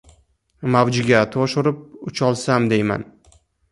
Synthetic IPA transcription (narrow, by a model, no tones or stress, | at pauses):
mavd͡ʒɪɡʲat̪ʰoʃʊɾɪp̚ʊt͡ʃʰɒlˠsamd̪e̞jma̰n